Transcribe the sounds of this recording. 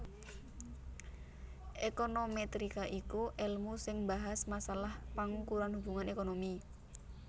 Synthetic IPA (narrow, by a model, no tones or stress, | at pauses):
ʔekonomet̪ɾikaʔikuʔɛlmusɪŋbaɦasmasalahpaŋukuɾanhub̥ṳŋanekonomi